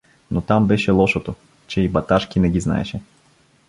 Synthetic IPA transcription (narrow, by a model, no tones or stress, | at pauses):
not̪ambɛʃɛlˠɔʃot̪o | t͡ʃɛibɐt̪aʃkʲinɛɡʲizna̰ɛ̰ʃɛ